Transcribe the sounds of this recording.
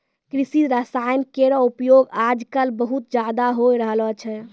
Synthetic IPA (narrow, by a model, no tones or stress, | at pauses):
kɾisiɾəsajmkeɾɔupjoɡad͡ʒkəlbəɦut̪̚d͡ʒad̪aɦojɾəɦlɔt͡ʃʰɛ